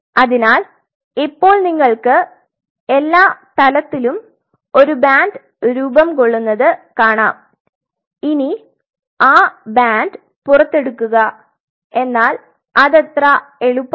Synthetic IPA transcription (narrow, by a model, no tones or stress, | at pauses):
ɐðinaːl | ipːo̞ːɭniŋːɐɭkɨ | e̞lːaːt̪ɐlɐt̪ːilum | o̞ɾubaːnd | ɾuːbɐmko̞ɭːunːɐðɨkaːɳaːm | ini | aːbaːnd | purɐt̪ːe̞ɽukːuɣɐ | e̞nːaːl | ɐðet̪rɐe̞ɻupː